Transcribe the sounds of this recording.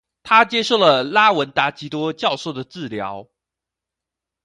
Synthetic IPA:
t̪ʰa˥t͡ɕjɛ˥ʂo˥˩lə˩la˥wə˧˥nt̪a˧˥t͡ɕi˧˥t̪wɔ˥t͡ɕjɑ˥˧ʊswɔ˥˩d̪ə˩t͡sɹ̩˥˩ljɑ˧˥ʊ

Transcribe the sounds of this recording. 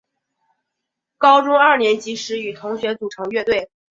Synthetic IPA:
kɑ˥ʊʈ͡ʂʊ˥ŋɐ˞˥˩njɛ˧˥nt͡ɕi˧˥ʂɻ̩˧˥y˨˩t̪ʰʊ˧˥ŋɕɥɛ˧˥nt͡su˨˩ʈ͡ʂʰɤ˧˥ŋɥɛ˥˧t̪we˥˩ɪ

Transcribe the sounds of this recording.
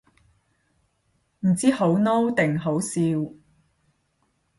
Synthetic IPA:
m̩˨˩t͡siː˥ho˨˥wno˥wt̪ɪ˨ŋɦo˨˥wsiː˧w

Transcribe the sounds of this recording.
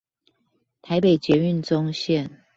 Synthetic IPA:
t̪ʰa˧˥ɪpe˨˩ɪt͡ɕjɛ˧˥ny˥˨nt͡sʊ˦ŋɕjɛ˥˨n

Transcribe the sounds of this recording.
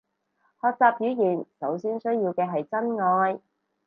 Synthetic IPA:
hɔː˧k̚t͡saː˧p̚jyː˨˥jiː˨˩nsɐ˨˥wsiː˥nsɵ˥ɥjiː˧wkɛː˧ɦɐ˨jt͡sɐ˥nŋɔː˧j

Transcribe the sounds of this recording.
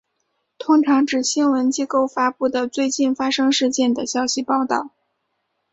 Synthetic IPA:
t̪ʰʊ˥ŋʈ͡ʂʰɑ˧˥ŋʈ͡ʂɻ̩˨˩ɕi˥nwə˧˥nt͡ɕi˥ko˥˩ʊfa˥pu˥˩d̪ə˩t͡swe˥˧ɪt͡ɕi˥˩nfa˥ʂɤ˥ŋʂɻ̩˥˧t͡ɕjɛ˥˩nd̪ə˩ɕjɑ˥ʊɕi˧pɑ˥˧ʊt̪ɑ̰˥˩ʊ

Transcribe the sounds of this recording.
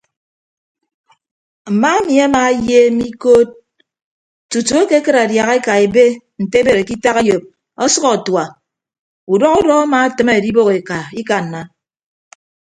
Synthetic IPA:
m̩˨ma˦e˦mi˨a˦ma˨˦je˦mi˦ko˦t̚ | tu˨tu˨e˦ke˦kɨ˦ɾa˨dja˨ɣe˦ka˨e˨be˦ | n̩˨te˦be˨ɾe˨ki˦ta˦ɣe˦jo˨p̚ | ɔ˦sɔ˦ɣɔ˨twa˨ | u˨dɔ˦ɣu˦dɔ˦a˦maː˨˦tɨ˦me˦e˨di˦bo˦ɣe˨ka˨i˦ka˨n̩ː˨a˨

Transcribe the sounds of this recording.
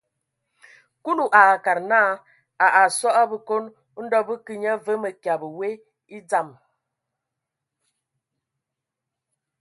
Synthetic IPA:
ku˦lu˨ʔa˨ka˨ɾnaː˦ | a˨ʔa˨sɔ˦ʔa˦bə˨ko˦n˦ | n̩˦dɔ˦bə˦kɨ˦ɲa˦və˦mə˨kja˨bə˨we˦ | i˦d͡za˨m

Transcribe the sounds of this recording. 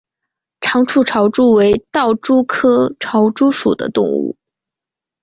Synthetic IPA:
ʈ͡ʂʰɑ˧˥ŋʈ͡ʂʰu˥˩ʈ͡ʂʰɑ˧˥ʊʈ͡ʂu˥we˧˥ɪt̪ɑ˥˩ʊʈ͡ʂu˥kʰɤ˥ʈ͡ʂʰɑ˧˥ʊʈ͡ʂu˥ʂṵ˨˩d̪ə̰˦t̪ʊ˥˧ŋṵ˥˩

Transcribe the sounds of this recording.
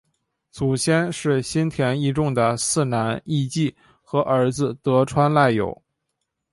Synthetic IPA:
t͡su˨˩ɕjɛ˥nʂɻ̩˥˩ɕi˥nt̪ʰjɛ˧˥ni˥˧ʈ͡ʂʊ˥˩ŋd̪ə˩sɹ̩˥˩na˧˥ni˥˧t͡ɕi˥˩ | xɤ˧˥ʔə˞˧˥d͡zɹ̩˧t̪ɤ˧˥ʈ͡ʂʰwa˥nla˥˩ɪjo̰˨˩˦ʊ

